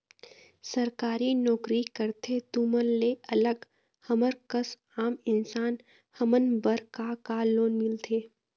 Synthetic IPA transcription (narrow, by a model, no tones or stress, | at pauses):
səɾkaːɾinɔːkɾikəɾt̪ʰet̪umənːeɐləɡ | həməɾkəs | aːmɪnsaːn | həmənbəɾkakaloːnmɪlt̪ʰeː